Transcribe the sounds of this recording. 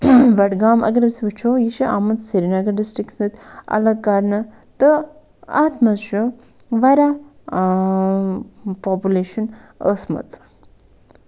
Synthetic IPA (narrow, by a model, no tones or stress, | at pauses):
ʋɐʈɡaːmʔɐ̰ɡɾbisibɐt͡ʃʰojiʃiʔa̰ːmɐnt͡ssiɾinɐɡɐɖisʈɾiksnɨt̪ɐ̰lɐkːaːɾnɐ | t̪ɨ | a̰ːt̪mɐzʃu | ʋɐɾa | paːpuleːʃɐn | əːsmɐ̰t͡s